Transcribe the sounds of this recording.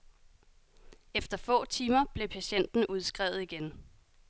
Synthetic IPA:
efd̥ɐfɔ̰̽ːt͡sʰiːmɐb̥le̝pʰæɕen̰d̥n̩ʔuð̞ˠsɡ̥ʁɛʊ̰ð̞̩ˠiɡ̥en

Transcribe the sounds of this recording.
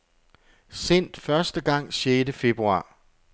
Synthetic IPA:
sen̰d̥fɶɐsd̥əɡ̥ɑ̈ŋ̰sjeːdəfe̝b̥ʁuɑ̰̈ː

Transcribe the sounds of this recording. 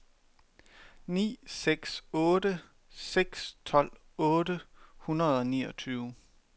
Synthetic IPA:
nḭːseɡ̥sɔːdə | seɡ̥st͡sʰɒ̽l̰ | ɔ̽ːɾəhunɐð̞ˠɒ̽niːɒ̽t͡sʰyːʊ

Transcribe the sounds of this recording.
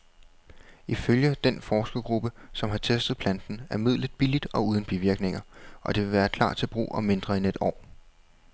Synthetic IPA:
iføljəd̥enfɒːsɡ̥ɐɡ̥ʁub̥əsɒ̽mɦɑ̈t͡sʰesd̥ð̩ˠpʰlænd̥n̩æɐmið̞̰ˠlð̩ˠb̥ilid̥ɒ̽uːð̞ˠn̩b̥iʋiɐɡ̥ne̝ŋɐʔɒ̽d̥e̝ʋe̝ʋæːɐkʰl̥ɑ̰̈ːd̥̚t͡sʰe̝lb̥ʁṵːʔɒ̽me̝nd̥ʁɐene̝d̥ɒ̰ː

